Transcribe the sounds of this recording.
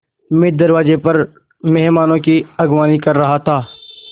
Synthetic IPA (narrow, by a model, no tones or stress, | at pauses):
mɪd̪ɐɾʋaːzepɐɾ | mɛɦmaːnõkiɐɡwaːnikɐɾːɐɦat̪ʰaː